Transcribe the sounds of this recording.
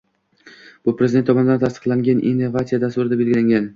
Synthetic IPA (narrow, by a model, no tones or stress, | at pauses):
b̥ʊpɾezʲɪent̪ːʰɒmɒnɪd̪ant̪ʰast̪ɨ̥qlˠaŋɡʲanʔḭnːovat̪sijad̪ast̪ʊɾɪd̪abe̞lɡʲɪlaŋɡʲan